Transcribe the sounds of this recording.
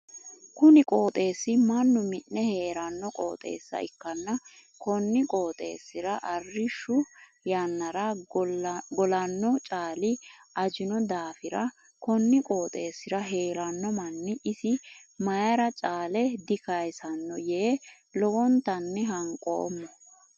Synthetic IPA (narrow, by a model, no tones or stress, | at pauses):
kʊnɪkʼo̞ːt̪ʼe̞ːsːɪmɐnːʊmɪnːɛhe̞ːɾɐnːɔkʼo̰ːt̪ʼe̞̰ːsːɐ̰ʔɪkːɐnːɐ | kɔnːɪkʼo̞ːt̪ʼe̞̰ːsːɪɾɐʔɐrːɪʃːʊ | jɐnːɐɾɐ | ɡɔlɐnːɔt͡ʃʼaːlɪɐd͡ʒɪnɔd̪aːfɪɾɐ | kɔnːɪkʼo̞ːt̪ʼe̞ːsːɪɾɐɦe̞ːɾɐnːɔmɐnːɪʔɪsɪmɐjɐɾɐt͡ʃʼaːlɛd̪ɪkɐjsɐnːɔjeː | lɔwɔnt̪ɐnːɛɦɐŋkʼo̰ːmːɔ